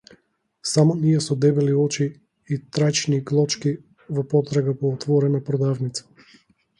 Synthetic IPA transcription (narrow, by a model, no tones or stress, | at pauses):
samɔniɛsɔd̪ɛbɛliɔt͡ʃiː | t̪ɾajt͡ʃniɡlˠɔt͡ʃki | vɔpɔt̪ɾaɡapɔːt̪vɔɾɛnapɾɔd̪avnit̪sḁ